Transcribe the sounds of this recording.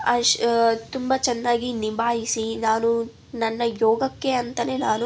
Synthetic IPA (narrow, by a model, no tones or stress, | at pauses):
ɐʂt̪umbɐt͡ʃɛnːaːɡinibaːjisinaːnu | nɐnːɐjɔːɡɐkːe̞ɐnt̪ɐne̞ːnaːnu